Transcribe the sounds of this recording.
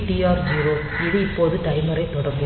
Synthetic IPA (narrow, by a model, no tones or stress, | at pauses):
ʈiaːɾd͡ʒiːɾoː | ɪðɯɪpːoːðɯt̪ɐɪmɯɾɐɪt̪ːɔɽɐɾɡɯ